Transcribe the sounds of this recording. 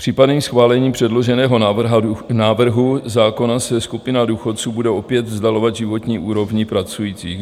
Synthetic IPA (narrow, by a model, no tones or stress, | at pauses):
pr̝̥iːpadɛɲisxvaːlɛɲiːpr̥ɛdlo̞ʒɛnɛːɦo̞ | naːvr̩ɦuzaːko̞nasɛskupɪnaduːxo̞t̪̚t͡suːbudɛo̞pjɛt̪vzdalo̞vad̪ʒɪvo̞t̪ɲiːʔuːɾo̞vɲɪpɾat͡sujiːt͡siː